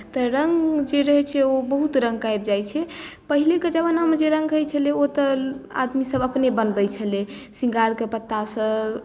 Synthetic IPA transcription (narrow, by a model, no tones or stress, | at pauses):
t̪ɔɾəŋɡd͡ʒeɾəɦɛt͡ʃʰɛobəɦut̪ɾə̃ŋɡ̚kajbd͡ʒajt͡ʃʰɛpəɦileked͡ʒəbanamed͡ʒeɾə̃ŋɡɦəjt͡ʃʰəleot̪əa̰d̪misəbəpnebənbəjt͡ʃʰəle | sĩŋɡaɾkepət̪ːasə̃